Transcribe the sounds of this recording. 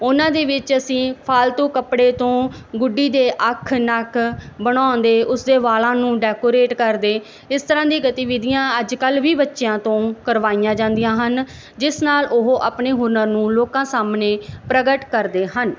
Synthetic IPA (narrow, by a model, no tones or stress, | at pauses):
ʊnãːd̪eːʋɪt͡ʃəsĩːpʰaːlt̪uːkəpɽeːt̪õː | ɡʊɖːiːd̪eːʔəkʰnəkʰbəɽ̃ãːnd̪eːʔʊsd̪eːʋaːlãːnũːɖɛːkoːɾeːʈkəɾd̪eː | ɪst̪əɾãːd̪iːɡət̪iːʋɪd̪ijãːəd͡ʒkəlʋiːbətːʃejãːt̪õːkəɾʋaːijãːd͡ʒãːnd̪ijãːɦən | d͡ʒɪsnaːlʔʊɦoːʔaːpneːɦʊɾnəɾnũːloːkãːsaːmneːpɾəɡəʈkəɾd̪eːɦən